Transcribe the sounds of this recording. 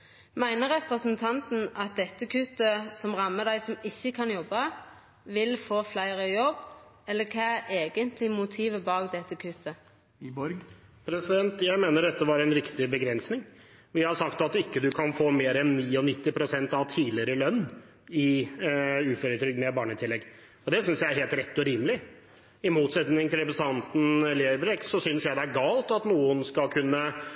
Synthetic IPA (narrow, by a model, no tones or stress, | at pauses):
mæɪnəɾɛpɾəsənt̪ʰɑnt̪n̩ʔɑt̪̚d̪ɛt̪ːəkʰʉt̪ːəsɔmʁɑmːəd̪æɪsɔmɪçːəkʰɑnjɔbːɑ | ʋɪlfoːflæɪɾəjɔbːɛlːəkʰɑːʔeːɡənt̪ʰlɪmʊt̪ʰiːʋəbɑːɡd̪ɛt̪ːəkʰʉt̪ʰə | bɔɾpʰɾɛsɪd̪ɛnt̪jæɪmeːnəɖ̪ɛt̪ːəʋɑɾæɪnɾɪkt̪ɪbəɡɾɛnsnɪŋ | ʋɪhɑʂɑkt̪ɑt̪ɪkːəd̪ʉkʰɑnfoːmeːɾɛnːiːɔnɪt̪ːɪpʰɾʊsɛnt̪ɑʋt̪ʰiːlɪəɾəlœnː | ɪ | ʉːføːɾət̪ʰɾʏɡ̪mɛbɑːɳət̪ʰɪlːɛɡː | ɔd̪ɛsʏnsjæɪæɾɦeːlt̪ɾɛt̪ːɔɾiːməlɪ | ɪmuːt̪sɛt̪nɪŋt̪ʰɪlɾɛpəst̪ʰɑnt̪n̩leːɾbɾɛksɔsʏnsjæɪd̪ɛææɾɡɑːlt̪ɑt̪nuːənskɑlkʰʉnːə